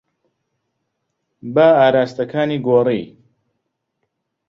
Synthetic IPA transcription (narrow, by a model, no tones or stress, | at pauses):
baaːɾaːst̪ɐkʰaːniːɡoːrḭː